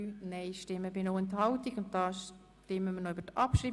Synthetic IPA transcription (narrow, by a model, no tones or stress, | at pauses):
nɛɪʃtɪmːəbɪnoːɛnt̪hɑʊtiɡʊntdɑːʃ | tɪmːəmənoybətʔɑpʃɾiː